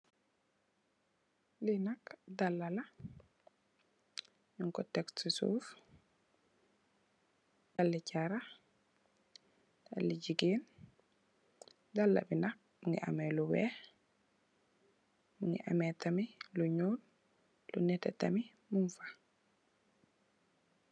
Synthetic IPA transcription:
linakdalːala | ɲuŋkɔtɛksisṵːf | dalːicaɾa | d̥a̰lːiɟiɡiːn | dalːa̰binak̚ | muŋɡḭʔa̰meluwɛ̰x | muŋɡḭʔa̰metamiluɲuːl | lunɛtɛtami | muɱfḁ

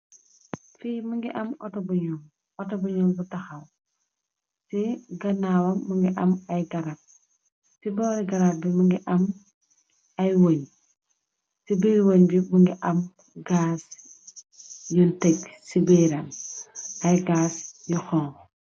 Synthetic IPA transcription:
fijmuŋɡiʔɐmɔtɔbuɲul | ɔtɔbuɲɔlbutɐxɐl | sɛɡɐnawɐmːuŋɡiʔɐmɐjɡɐɾap̚ | sibɔɾiɡɐɾabimuŋɡiʔɐm | ɐjwoɲ | sibijwoɲbimuŋɡiʔɐm | ɡaːs | juntɛksibeɾɐm | ɐjɡaːsjuxɔːŋ

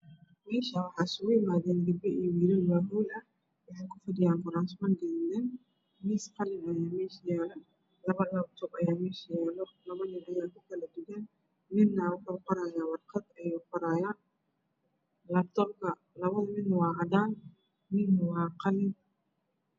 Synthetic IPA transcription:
mɛːʃɐwɑħɑːsʊɣʊjɪmaːðɛːnɡɪbɛʔiwiːɾɐwaːɦujʔɐ | wɑħɛjkʰʊfɐdɪjaːnfʊɾaːnsmɐnɡɛːnd̪ɛn | mɪsqɑlɪnɐjaːmɛːʃjaːlɛ | lɐβɐlɐt͡ʃ̪ɔbɐjaːmɛːʃɐjaːlɔlɐβɐnɪnɐjaːkʰʊkʰɐlɐd̪ɪɣɛn | mɪnːɐwɑħuːqɔɾaːjaːwɑrqɑd̪ɐjɛːqɔɾaːjaːn | lɐbt̪ʰɔrkʰɐ | lɐβɐðɐmɪnwɑːɦɐd̪aːn | mɪnwɑːqɑlɪn

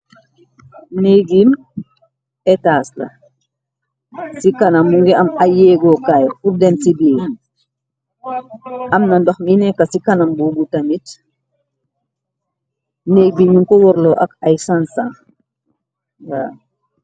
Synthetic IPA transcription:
neɡim | ɛtaːslɐ̰ | sikanɐmmuŋɡiɐmajɛːɡɔkajfuɾdɛnsibiː | ʔɐmnɐndoxminɛkːasikanambubutamit | neːɡ̚biɲuŋkɔwɔɾlɔʔɐkɐjsansaŋ | waː

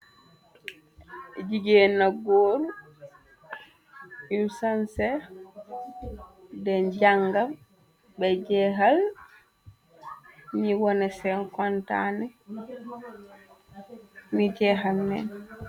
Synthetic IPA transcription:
d͡ʒiɡɛnaɡoɾu | iwsansɛ | dɛnd͡ʒaŋɡam | bɛd͡ʒɛɦal | ɲiwɔnɛsɛnkɔnta̰nɛ | mid͡ʒɛɦalnɛ̰n

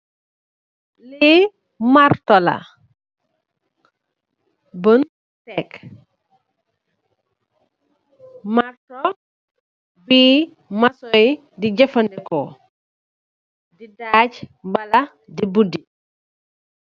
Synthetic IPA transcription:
lii | maɾtɔlɐ̰ | bən | tɛk | maɾtɔ | biː | masɔj | diɟɐfɐndɛkɔ | didaːɟmbɐlɐ | dibudi

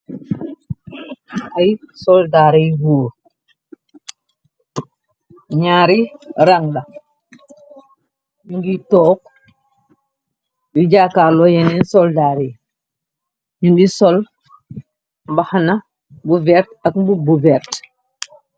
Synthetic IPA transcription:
ʔɐjsɔldaːɾɛjbuːɾ | ɲaːɾiɾaŋɗɐ | ɲuŋɡitɔːk̚ | juɟaːkalɔjɛnɛnsɔldaːɾe | ɲunɡisɔl | mbahanɐ | buvɛɾtɐkbubuvɛɾt

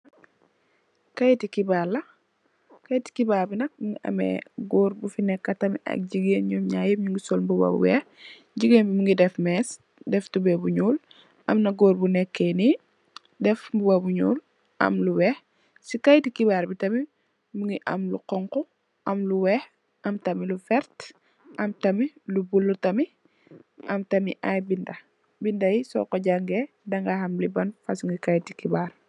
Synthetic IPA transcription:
kɐjtikibaːlɐ | kɐjti̥kibaːbinɐk̚muŋɡiʔɐ̰mɛ̰ɡɔːɾbufinɛkːɐtɐmiʔɐ̰k̚ɟiɡeːnɲɔːmɲaːjɛɲuŋɡisɔlbubɐ̰bṵwɛx | ɟiɡeːnbimuŋɡidɛfmɛːs | dɛftubɛbuɲuːl | ʔɐmnɐɡoːɾbunɛkːeni | dɛfbubabuɲṵːl | ʔɐ̰mluwɛh | sikajtikibaɾbitɐmi | muŋɡiʔɐ̰mluqɔŋkɔ | ʔɐmluwɛh | ʔɐmtɐmilufɛɾt | ʔɐmtɐmilubulːutɐmi | ʔɐmtɐmiʔa̰jbindɐ | bindɐjisɔ̰kɔɟaŋɡɛ | dɐŋɡahɐmlibɐnfɐsuŋɡikajtikibar

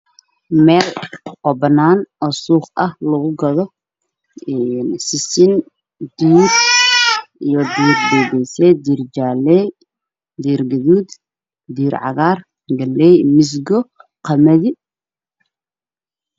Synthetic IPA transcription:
mɛːlqɔbɐnaːnʔɔsuːχɐhlɐɣʊɡɐðɔ | ɛnsɪsɪn | d̪iːr | ijɞd̪iːrd̪ɛːɣɛjsɛd̪iːrd͡ʒaːlɛj | d̪iːrɡɐðuːd̪ | d̪iːɾʕɑ̰ɣaːr | ɡɐlːɛjmɪs̬ɡɔqɐmɐðɪ

